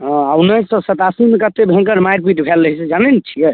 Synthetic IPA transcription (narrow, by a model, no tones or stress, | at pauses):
ɦɔ̃awnəsə̃sət̪asimekət̪ebʱẽŋkəɾmajɾpiʈbʱɛləɦisɛd͡ʒanenet͡ʃʰijɛ